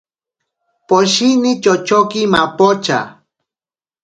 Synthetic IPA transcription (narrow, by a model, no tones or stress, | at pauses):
poʃinit͡ʃot͡ʃokimapot͡ʃa̰